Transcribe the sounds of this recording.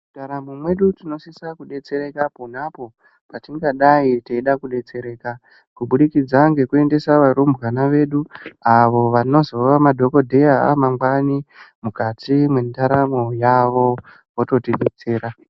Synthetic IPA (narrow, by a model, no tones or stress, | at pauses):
mutaɾamumwe̞ɗutino̞sisakuɗe̞t͡se̞ɾe̞kaponapo̞ | patiŋɡaɗaiteiɗakuɗe̞t͡se̞ɾe̞ːka | kuɓuɗikid͡zaŋɡe̞kue̞nde̞saʋaɾombɣanaʋe̞ːɗuaʋo̞ʋano̞zo̞ʋamadʱo̞ko̞dʱejaa̰maŋɡwanimukatʰimwendaɾamojaʋo̞ | woto̞tiɗet͡se̞ːɾa